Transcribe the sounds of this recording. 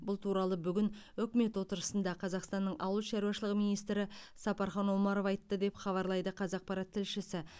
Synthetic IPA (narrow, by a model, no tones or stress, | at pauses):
bʊlˠt̪ʰuɾɑlˠəbʏɡʲɪn | ʏkʲme̞t̪wo̞t̪əɾəsənd̪ɑqʰɑzɑqst̪ɑnːəɴʔɑwəlˠʃɑɾuɑʃəlˠəqmijnijst̪ɾɪsɑpɑɾχɑnolˠmɑɾofɑjt̪ːəd̪e̞pχɑβɑɾlˠɑjd̪əqʰɑzɑq̚pɑɾɑt̪ʰːɪlʃɪsɪ